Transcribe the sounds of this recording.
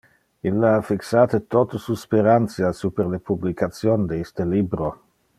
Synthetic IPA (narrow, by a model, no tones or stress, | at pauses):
ilːaafiksaːt̪ət̪ot̪osuspeɾant̪sjasupeɾlepublikat̪sjoːnd̪eist̪elibɾo